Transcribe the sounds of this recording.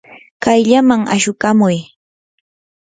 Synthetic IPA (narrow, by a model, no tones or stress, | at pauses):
kajʎamaŋa̰ʃʊkamʊj